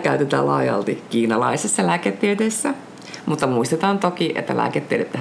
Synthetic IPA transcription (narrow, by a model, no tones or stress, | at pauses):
kæyt̪et̪æ̰ːlɑ̰ːjɑ̰lt̪ikiːnɑlɑisesːɑlæːket̪ːied̪esːæ | mut̪ːɑmuist̪et̪ɑːnt̪okiʔḛt̪ːæ̰lʔæ̰ːket̪ːieɾet̪ːæ